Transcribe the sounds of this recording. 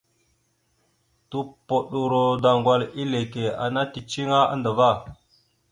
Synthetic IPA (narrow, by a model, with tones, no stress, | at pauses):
tu˦po˨ɗu˨ɾo˨da˨ŋɡwa˨li˦le˨ke˨a̰˨na˦ti˨t͡ʃi˦ŋa˦a̰˦ndə˨va˦˨